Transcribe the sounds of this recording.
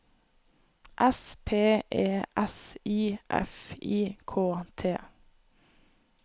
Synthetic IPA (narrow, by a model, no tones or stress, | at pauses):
ʔɛspʰeːʔeːʔɛsiːʔɛ̰fiːkʰoːt̪ʰeː